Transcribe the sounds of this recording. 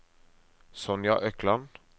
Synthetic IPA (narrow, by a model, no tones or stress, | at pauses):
sɔnja̰ʔœklan